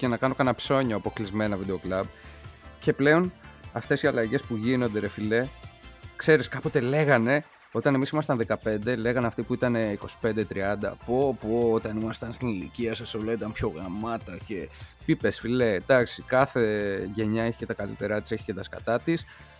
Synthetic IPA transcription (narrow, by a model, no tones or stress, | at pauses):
ce̞nɐkɐno̞kɐnɐpso̞ɲɐɐpo̞klizme̞nɐvid̪eo̞klɐb̚ce̞ple̞o̞nɐft̪e̞siɐlɐʝe̞spuʝinond̪eɾefile̞ | kse̞ɾiskɐpo̞t̪e̞le̞ɣɐne̞ | o̞t̪ɐnemisimɐst̪ɐnðekɐpe̞nd̪e̞le̞ɣɐneɐft̪ipuit̪ɐne̞iko̞si̥pe̞nd̪et̪ɾiɐnd̪ɐ̰popoot̪ɐnimɐst̪ɐnst̪inilḭciɐsɐsolɐit̪ɐmpço̞ɣɾɐmɐt̪ɐce̞pipe̞sfile̞d̪ɐksikɐθe̞ʝe̞ɲɐeçi̥ce̞t̪ɐkɐlḭt̪eɾɐt̪i̥seçi̥cet̪ɐskɐ̰t̪ɐt̪is